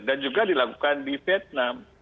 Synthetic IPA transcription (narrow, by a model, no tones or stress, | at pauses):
dand͡ʒuɡadilakukandifiɛt̪̚nam